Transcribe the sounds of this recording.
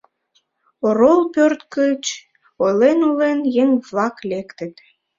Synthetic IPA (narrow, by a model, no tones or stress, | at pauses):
oɾolˠpørt̪kəlʲt͡ɕ | ojlenulenjeŋvlɑklekt̪ət̪